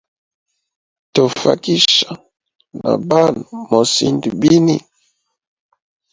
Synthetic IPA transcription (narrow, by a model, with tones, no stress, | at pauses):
to˨fa˨ki˦ʃa˨ | na̰˨ba˦no˨mo˨si˨ndi˨bi˦ni˦